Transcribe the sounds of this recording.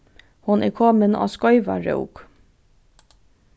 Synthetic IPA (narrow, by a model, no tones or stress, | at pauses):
hʊnʔɛːkʰɔːmənɑ̰ːskɔʏʋa̰ɹœ̰ʊk